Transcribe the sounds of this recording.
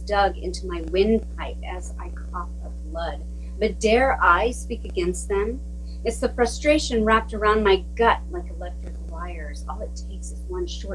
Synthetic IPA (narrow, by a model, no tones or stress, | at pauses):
d̥ʌɡɪ̰̃ntumaɪwɪ̃npʰaɪpɨza̰ɪkʰɔfʌvblʌd̚ | b̥ʌt̚d̥ɛɹʔaɪspikɨɡɛ̃nst̪̚ðɨ̃m | ɨtsðɨfɹ̥ʌstɹ̥eɪʃɨ̃nɹæp̚tə˞ãʊ̃nmaɪɡʌt̚laɪkəlɛk̚tɹ̥ɨkwaɪə˞zɔlˠɨtʰeɪksɨzwʌ̃nʃɔɹ